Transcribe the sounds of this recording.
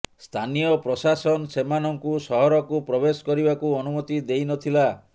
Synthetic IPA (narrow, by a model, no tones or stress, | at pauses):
st̪ʰanijɔpɾɔsasɔnsemanɔŋkusɔɦɔɾɔkupɾɔbesɔ̥kɔɾibakuɔnumɔt̪id̪ejnɔt̪ʰila